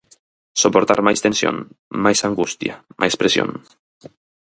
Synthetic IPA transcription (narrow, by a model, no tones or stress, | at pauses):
sopoɾt̪a̰ɾmajst̪ensjõ̰nmajsaŋɡust̪ja̰mʔajspɾesjo̰n